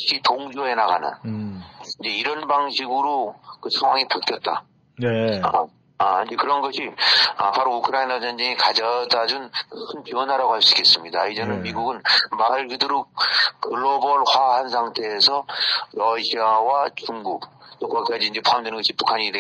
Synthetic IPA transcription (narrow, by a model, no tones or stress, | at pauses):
ɕʰitoŋd͡ʑoe̞naɡa̰nɯ̰n | ind͡ʑe̞iɾʌnbaŋɕʰiɡɯɾokɯsʰaŋɦwaŋipaɭk͈jʌt̚t͈a̰ | nea̰ | aand͡ʑe̞kɯɾʌnɡʌɕʰia̰paɾoukʰɯɾainad͡ʑʌnd͡ʑeŋikad͡ʑadad͡ʑunkʰɯnpiʌnɦaɾaɡohaɭs͈ɯɡe̞s͈ɯmɲidaid͡ʑenɯnmiɡuɡɯnmaɭɡɯdɯɾokɯɭːobʌɭɸwaɦansʰaŋtʰe̞ːsʰʌɾʌɕʰiawat͡ɕuŋɡuk̚t͈okakk͈ad͡ʑiːind͡ʑe̞pʰoamdwenɯnɡʌɕʰipukʰaɲide